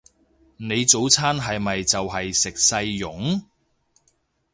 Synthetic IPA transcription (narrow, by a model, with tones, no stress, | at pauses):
ne˨˧jt͡so˨˥wt͡sʰaː˥nɦɐ˨jmɐ˨jt͡sɐ˨wɦɐ˨jsɪ˨k̚sɐ˧jjʊ˨˥ŋ